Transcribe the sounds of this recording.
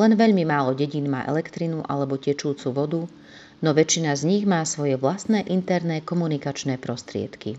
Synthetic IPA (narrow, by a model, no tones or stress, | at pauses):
lɛnʋɛʎmimaːlɔɟɛɟinma̰ːʔɛ̰lɛkt̪ɾinuʔa̰lɛbɔcɛt͡ʃuːt͡suʋɔd̪u | nɔʋɛt͡ʃːinazɲiɣmaːsʋɔjɛʋlast̪nɛːʔint̪ɛɾnɛkɔmunikat͡ʃnɛːpɾɔst̪ɾɪɛ̰t̪ki